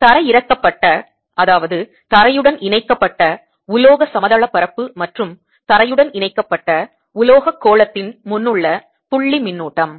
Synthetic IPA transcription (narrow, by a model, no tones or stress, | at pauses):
t̪ɐɾɐjɪɾɐkːɐpːɐʈːɐ | ʔɐðaːʋɐðɯ | t̪ɐɾɐjɯɽɐnɪɳɐɪkːɐpːɐʈːɐ | ʊloːɣɐsɐmɐðɐɭɐpːɐɾɐpːɯmɐʈrɯm | t̪ɐɾɐjɯɽɐnɪɳɐɪkːɐpːɐʈːɐ | ʊloːɣɐkːoːɭɐt̪ːɪnmʊnːɯɭːɐ | pʊɭːimɪnːuːʈːɐm